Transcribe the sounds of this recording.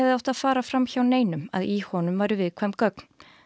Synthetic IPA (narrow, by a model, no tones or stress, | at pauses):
vðɪawht̪aðfaːɾafɾamçawneːjnʏma̰ðihɔnʏmvajɾʏvɪðkʰvɛmkœk̚n̥